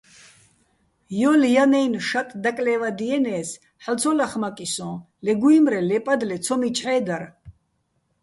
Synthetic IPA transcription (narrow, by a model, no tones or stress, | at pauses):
jɔljanɛjnʃat̪ʼd̪akʼlɛːvad̪iɛnɛːs | ħalt̪t͡sʰɔlaχmakʼisɔ̃ | lɛɡuimɾɛlɛpʼad̪lɛt̪t͡sʰɔmit͡ʃʼħɛːd̪aɾ